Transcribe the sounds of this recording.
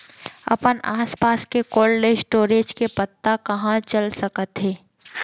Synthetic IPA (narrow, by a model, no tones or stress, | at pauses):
ɐ̰pənʔaːspaːskekoːllesʈoːɾeːd͡ʒkepət̪ːakɐɦãt͡ʃəlsəkət̪ɦeː